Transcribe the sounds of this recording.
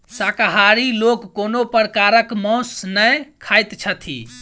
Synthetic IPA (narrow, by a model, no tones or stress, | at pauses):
sakaɦaɾilokːonopəɾəkaɾəkmɔ̃snəjkʰajt̪t͡ʃʰət̪ʰḭ